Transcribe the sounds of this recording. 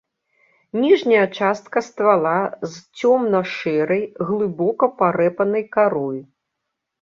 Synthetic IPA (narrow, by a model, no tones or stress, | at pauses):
nʲiʐnʲɐjɐt͡ʂast̪̚kɐst̪valˠazt͡sʲɔmnɐʂɛɾɐjɣlˠɨbɔkɐpaɾɛpɐnɐjkaɾɔj